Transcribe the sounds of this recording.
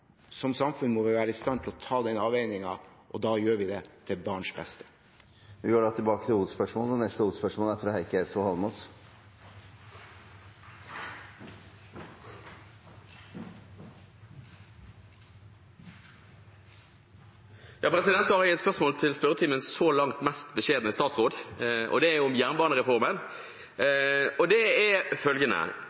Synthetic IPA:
sɔmsɑmfʉnːmɔʋɪʋæːɾəɪst̪ɑnt̪ʰɪlɔt̪ʰɑːd̪ɪnəɑːʋeɪnɪŋɑ̰ʔɔd̪ɑːjøːʋɪd̪ɛt̪ʰɪbɑːɳʂbɛst̪ə̥ | ʋɪjøːɖɑt̪ʰɪlbɑːkət̪ʰɪluːd̪spœʂmoːlɔnɛst̪əuːd̪spœʂmoːlæɾfɾɑːhæɪkəɛsɔhɑlmɔs | jɑːpʰɾɛsɪd̪ɛnt̪ːɑhɑɾʊɛt̪spœʁsmoːlt̪ʰɪlspœɾət̪ʰiːmənsolɑŋt̪mɛst̪bəʃeːd̪n̩əst̪ɑːt̪sʁoːd̪ʔɔ̰d̪ɛæjʊʊmjæʁnbɑːʁnəʁɛfɔʁmən | ɔd̪ɛɛfœlɡənə̰

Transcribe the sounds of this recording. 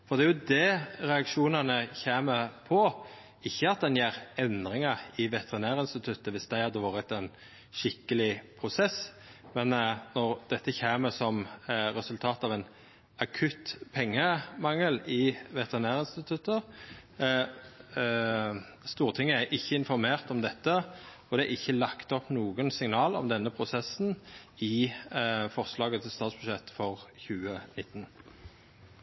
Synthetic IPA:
fɔʁd̪ɛæjʊd̪ɛɾɛɑkʂuːnɑnəçeːməpʰɔ | ɪçːəɑt̪̚d̪ɛnjeːɾɛnd̪ɾɪŋəʁɪʋɛt̪əʁɪnæːɾɪnst̪ɪt̪ʰʉt̪ːəʋɪst̪d̪æɪhɑd̪ːəʋɑːɾət̪ɛn | ʃɪkːəlɪpʰɾʊsɛs | mɛnnɔʁd̪̥ɛt̪ːəçeːməsɔmɾɛsʉlt̪ʰɑːt̪ɑʋɛn | ɑkʰʉt̪pʰɛŋːəmɑŋːəlɪʋɛt̪ʰəʁnæːʁɪnst̪ɪt̪ʰʉt̪ːəʁ | st̪uːʁt̪ʰɪŋːəæɾʔɪçːəɪnfɔʁmeːʁt̪ɔmd̪ɛt̪ːəɔd̪ɛæʔɪçːəlɑkt̪ɔpnuːɡənsɪŋnɑːlɔ̰md̪ɛnːəpʰʁʊsɛsnɪ | fɔʁslɑːɡət̪ʰɪlst̪ɑːt̪sb̥ʉʃɛt̪ːfɔʁçʉːənɪt̪ːn

